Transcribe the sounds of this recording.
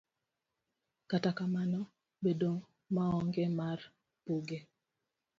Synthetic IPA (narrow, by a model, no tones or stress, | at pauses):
katakamanɔ | bedo | maɔŋɡɛmar | puɡe